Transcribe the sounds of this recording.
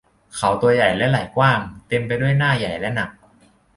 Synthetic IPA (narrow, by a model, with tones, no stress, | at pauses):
kʰa˩˦wt̪u˧ɐja˨˩jlɛ˦˥la˨˩jkwaː˥˩ŋt̪e˧mpa˧jdu˥˩əjnaː˥˩ja˨˩jlɛ˦˥na˨˩k̚